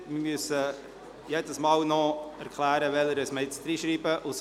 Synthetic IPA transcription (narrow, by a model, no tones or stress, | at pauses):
mɪmyəsə | jedəsmɑːlnɔæɾkʰlæːɾəʋɛləɾəsməɪt͡sd̥ɾiʃɾiːbəʔʊs